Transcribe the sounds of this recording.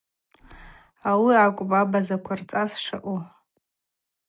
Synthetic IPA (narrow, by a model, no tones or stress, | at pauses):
awiakʷʼbʼabazakʷʰart͡sʼasʂa̰ʔu